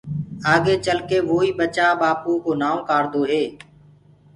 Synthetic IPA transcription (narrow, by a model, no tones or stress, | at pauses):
aːɡeːt͡ʃəlkeːʋoːiːɓət͡ʃaːɓaːpuːkoːnaːokaːɾd̪oːɦeː